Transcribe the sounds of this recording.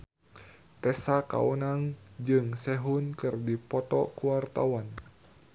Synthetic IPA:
t̪ɛsaka̰unaŋd͡ʒɨŋsɛɦʊnkɨrdipɔt̪ɔ̰kuwart̪a̰wan

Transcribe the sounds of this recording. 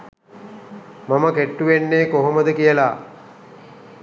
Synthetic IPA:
maməkeʈːuʋenːeːkoɦoməd̪əkijəla

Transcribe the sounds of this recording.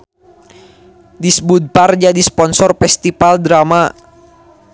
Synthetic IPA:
disbud̪̚pard͡ʒadispɔnsɔrfɛst̪ifaldɾama

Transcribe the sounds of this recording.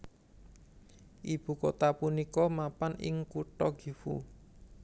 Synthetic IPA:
ʔib̥ṳkot̪apunikɔmapanɪ̰ŋkuʈɔɡ̥i̤fṵ

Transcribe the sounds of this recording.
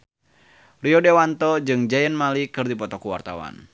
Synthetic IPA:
riɔdewant̪ɔd͡ʒɨŋd͡ʒajənmalikɨrdipɔt̪ɔkuwa̰rt̪a̰wa̰n

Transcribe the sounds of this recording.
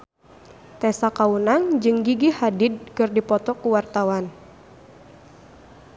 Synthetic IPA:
t̪ɛsakaunaŋd͡ʒɨŋɡiɡihadid̚kɨrdipɔt̪ɔkuwart̪awan

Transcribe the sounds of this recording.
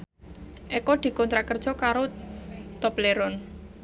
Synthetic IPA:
ʔɛkɔd̪̥i̤kɔnt̪ɾakərd̥ʒ̥ɔ̤kaɾot̪ɔpleɾɔn

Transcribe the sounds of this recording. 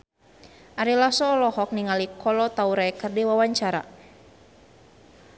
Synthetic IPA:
ʔaɾilasɔːlɔhɔk̚niŋalikʰɔlɔt̪auɾaɛkərdiwawaɲt͡ʃaɾa̰

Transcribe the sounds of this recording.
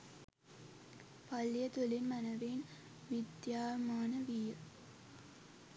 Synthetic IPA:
pɐlːijɐt̪ulinmɐnɐʋeːn | ʋid̪jaːmaːnɐʋijə

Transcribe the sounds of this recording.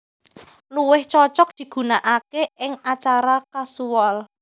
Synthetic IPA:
luwɪht͡ʃɔt͡ʃɔk̚d̪̥i̤ɡ̥ṳnaʔakeɪŋat͡ʃaɾakasuwɔl

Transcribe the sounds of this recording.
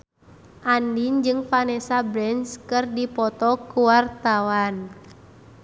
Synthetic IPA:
ʔandind͡ʒɨŋfanɛsabɾɛnskɨrdipɔt̪ɔkuwart̪awan

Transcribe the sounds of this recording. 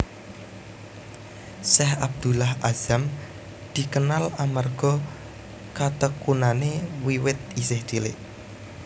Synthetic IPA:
sɛɦab̚d̪̥ṳlahaz̥am | d̪̥i̤kənalamarɡ̥ɔ̤ | kat̪əkunanewiwɪt̪̚isɪhd̪̥ilɪ̰ʔ

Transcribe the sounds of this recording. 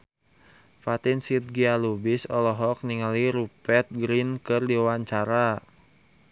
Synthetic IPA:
fat̪insit̪̚ɡialubisɔlɔɦɔk̚niŋaliɾupɛt̪̚ɡɾinkɨrdiwaɲt͡ʃaɾa

